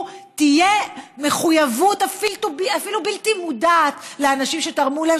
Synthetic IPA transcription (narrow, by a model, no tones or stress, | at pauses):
tijeme̞χujavutafiltubiafilubiltimudaːtleanaʃimʃetaʁmula